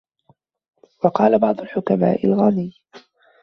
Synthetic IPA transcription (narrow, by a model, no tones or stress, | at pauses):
wɑqɑːlabɑʕd̪ˤʊlħʊkama̰ːʔɪlɣaniː